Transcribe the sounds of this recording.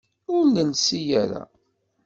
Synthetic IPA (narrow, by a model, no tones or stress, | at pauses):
ʊɾnənsijæɾa̰